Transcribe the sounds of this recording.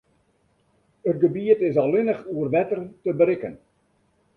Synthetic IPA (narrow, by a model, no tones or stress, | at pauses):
ət̚ɡəbiətɪsɑlɪnəχuərʋɛtərtəbəɾɪkən